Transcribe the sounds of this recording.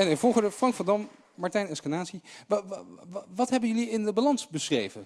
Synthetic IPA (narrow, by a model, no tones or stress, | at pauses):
ɛnɛvɔlˠχədəfrɑŋkfɑndɑmː | ɑɹtɛjnɛskanaːtsi | ʋɑtɦɛbənjɵliɪndəbalɑnsbəsrejvən